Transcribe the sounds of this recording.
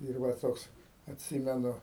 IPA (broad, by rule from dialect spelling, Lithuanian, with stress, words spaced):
ɪr ˈʋɐ ˈtoːks ɐtʲˈsʲɪmʲɛnʊ